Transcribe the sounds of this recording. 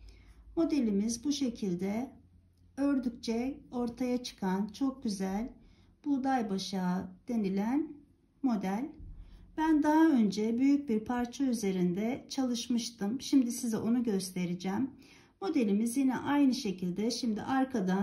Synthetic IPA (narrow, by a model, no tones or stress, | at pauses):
mo̞d̪e̞lʲimizbuʃe̞cʰilʲd̪ɛ | ø̞ɾd̪yc̚t͡ʃʰɛo̞ɾt̪ʰajat͡ʃʰɯ̥kʰant͡ʃʰo̞k̚ɟyzælʲ | b̥ud̪ajbaʃaːd̪̥e̞nilʲæn | mo̞d̪ælʲbænd̪aɦaø̞nd͡ʒɛbyjyc̚biɾpʰaɾt͡ʃʰayze̞ɾind̪ɛt͡ʃʰalˠɯʃmɯʃt̪ʰɯmʃimd̪isizɛʔo̞nuɟø̞st̪ʰe̞ɾid͡ʒɛːmː | o̞d̪e̞lʲimizjinɛ̰ʔajnɯʃe̞cʰilʲd̪ɛʃimd̪ḭʔaɾkʰad̪a